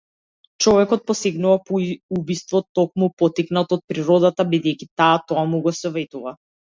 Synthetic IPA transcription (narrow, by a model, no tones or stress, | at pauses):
t͡ʃɔvɛkɔt̪̚pɔsɛɡnuvapuubist̪vɔt̪ɔk̚mupɔt̪iknat̪ɔt̪̚pɾiɾɔd̪at̪abid̪ɛjkʲit̪aːt̪ɔamuɡɔsɔvɛt̪uva